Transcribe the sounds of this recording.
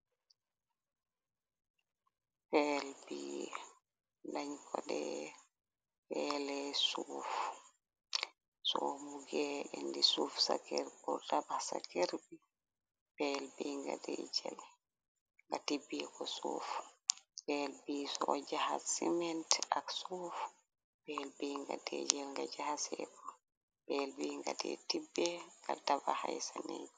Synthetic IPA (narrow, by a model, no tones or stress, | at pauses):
pɛlbiː | laɲkʰɔɗɛ | pɛlɛsuf | sɔfbuɡɛɛndisuːfsakɛɾbɔdabasa̰keɾbi | b̥ɛlbiŋɡa̰dɛd͡ʒɛl | ŋɡatibːɛkɔsṵːfu̥bɛlbiːsɔd͡ʒahasimɛntaksuf | b̥ɛlbiːŋɡa̰dɛ̰d͡ʒɛlŋɡad͡ʒahasɛkɔ | bɛlbiŋɡadɛ̰tibːɛŋɡa̰ltabahajsanɛɲk